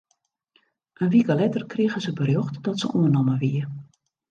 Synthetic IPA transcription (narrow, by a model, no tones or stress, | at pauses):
ʔənʋikəlɛtərkriəɣəzəbərjoxtdɔtsə̰ʔuənɔməʋiə